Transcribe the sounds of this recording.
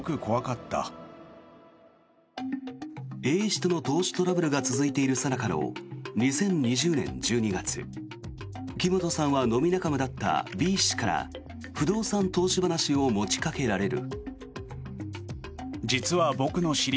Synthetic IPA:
kɯ̟kʰo̞βakat̪ːa̰ | e̞ːɕi̥t̪ono̞t̪o̞ːɕi̥t̪o̞ɾabɯ̟ɾɯ̟ɡat͡sɨzɨit̪e̞iɾɯ̟sanakano̰ɲ̟isẽ̞ɲ̟ɲiʑɨːnẽ̞̰ɲd͡ʑɨːɲ̟iɡat͡sɨ̰ | ɯkʲimo̞t̪o̞sãɰ̃βano̞mʲinakamɯ̟d̪at̪ːa̰bʲiːɕi̥kaɾa̰ | ɸɯ̟d̪o̞ːsãnt̪o̞ːɕibanaɕio̞mo̞t͡ɕi̥kake̞ɾaɾe̞ɾɯ̟̰ | d͡ʑit͡sɨβabo̞kɯ̟no̞ɕiɾʲ

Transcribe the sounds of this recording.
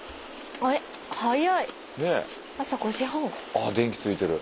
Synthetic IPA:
ae | hajai | ne̞ | asakoɕiɦõŋad̪ẽ̞ŋkʲi̥t͡sɨit̪e̞ɾɯ̟

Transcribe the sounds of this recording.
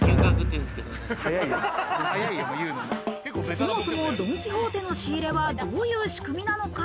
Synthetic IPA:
kʲẽŋkãŋkɯ̃t̪ːeɯ̃nsɨ̥ked̪ohajaihajaijɯːnonoso̞mmo̞so̞mo̞d̪o̞m̟ikʲiɦo̞ːt̪e̞no̞ɕiːɾe̞βad̪o̞ːjɯ̟ːɕi̥kɯ̟mʲinano̞ka

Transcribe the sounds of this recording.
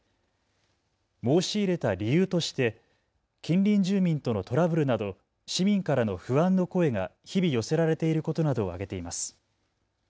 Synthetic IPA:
mo̞ːɕiːɾe̞t̪aɾʲijɯːt̪o̞ɕi̥t̪e̞ | kʲĩnɾʲĩɲd͡ʑɨːmʲĩnt̪o̞no̞t̪o̞ɾabɯ̟ɾɯ̟nad̪o̞ | ɕimʲĩŋkaɾano̞ɸɯ̟βãnːoko̞e̞ŋa̰çibʲijo̞se̞ɾaɾe̞t̪e̞iɾɯ̟ko̞t̪o̞nad̪o̞ːa̰ɡe̞t̪e̞imasɨ̥

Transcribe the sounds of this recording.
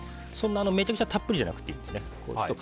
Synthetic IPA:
sõ̞nːaːno̞me̞ːt͡ɕakɯ̟t͡ɕat̪ʰapːɯ̟ɾʲiʑa̰nakɯ̟̥t̪ːeit̪ːenekʰo̰ːot̪ːok

